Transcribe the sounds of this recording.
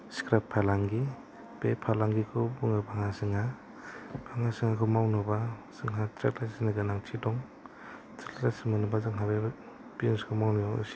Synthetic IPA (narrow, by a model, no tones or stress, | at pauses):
skɾapʰːalaŋɡi | pepʰalaŋɡikʰɯbuŋabaŋasɯŋa | b̥aŋasɯŋakʰɯmawnɯbaz̥ɯŋɦatɾḛk̚lajsinaɡɯnaŋtʰidɔŋ | tɾellasimɯnɯbazɯŋɦabeb | pinskʰɔmawnija̰s